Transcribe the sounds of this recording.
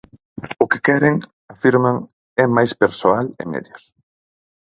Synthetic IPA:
ʊkɪ̥kɛɾɪŋ | afiɾmaŋ | ɛmajspeɾsoalɪ̰mɛ̰ðjos

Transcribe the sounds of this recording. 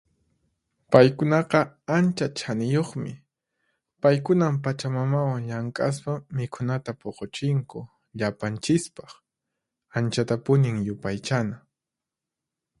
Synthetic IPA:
pajkʊnɑqɑant͡ʃat͡ʃʰanɪjoχmɪ̰ | pajkʊnampat͡ʃamamawaŋʎaŋkʼas̬pamɪkʰʊnat̪apoqot͡ʃɪŋkʊ | ʎapant͡ʃɪspɑχ | ant͡ʃat̪apʊnɪŋjʊpajt͡ʃana

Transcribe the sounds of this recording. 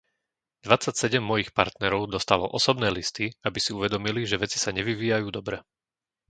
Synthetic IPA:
d̪ʋat͡sːacsɛɟɛmːɔjixpa̰ɾt̪nɛɾɔʊd̪ɔst̪alɔʔɔsɔbnɛːlist̪iabisiuʋɛd̪ɔmiliʒɛʋɛt͡si̥saɲɛʋiʋiːjajuːd̪ɔbɾɛ

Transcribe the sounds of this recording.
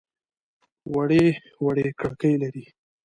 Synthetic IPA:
waɽe | waɽekɽakəjlaɾi

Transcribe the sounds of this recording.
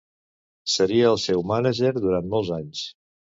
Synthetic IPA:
səɾiəːlˠsɛwmanəʒeɾðuɾant̪mɔlˠzaɲs

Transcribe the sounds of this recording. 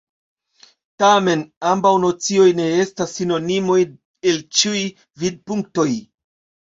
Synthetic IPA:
tame̞nambawno̞t͡sio̞jne̞e̞stasːino̞nimo̞j | elt͡ʃiuj | vid̚puŋk̚to̞j

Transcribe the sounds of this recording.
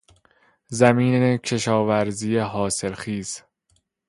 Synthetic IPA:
zæmiːnecʰe̞ʃɒːvæɾziːjeɦɒːse̞lxiːz̥

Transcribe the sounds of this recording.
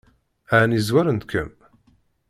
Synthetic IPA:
aʕnizwæɾənt̪kə̰m

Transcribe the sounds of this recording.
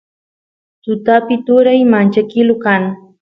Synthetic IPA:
t̪ʊt̪apɪt̪ʊɾajmant͡ʃakɪlʊkaŋ

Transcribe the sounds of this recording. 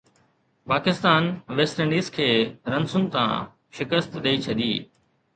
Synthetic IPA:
paːkɪst̪aːnʋeːsʈẽɳɖiːzkʰeːɾɐ̃nsʊnt̪ã̰ | ʃɪkəst̪ɗɐit͡ɕʰɐd̪iː

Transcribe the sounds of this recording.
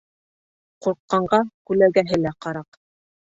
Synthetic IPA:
quɾqːɑɴɢɑkʉlæɡæɦɘlæqɑɾɑq

